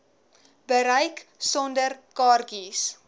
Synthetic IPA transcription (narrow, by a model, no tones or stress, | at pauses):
bəɾəjksɔndərkɑːrɡis